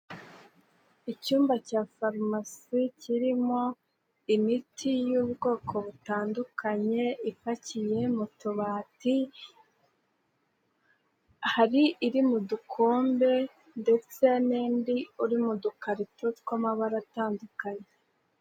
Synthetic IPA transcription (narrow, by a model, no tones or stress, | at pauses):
icuːmbacaːfaɾmasiciɾimo̞ | imitʰijuβɡo̞ːkʰo̞βutaːndukʰaɲe̞ifacije̞mutuβaːti | haɾiʔːɾimudukʰoːmbe̞ | nde̞t͡se̞neːndiuɾimudukaɾitotkwamaβaɾataːndukaɲe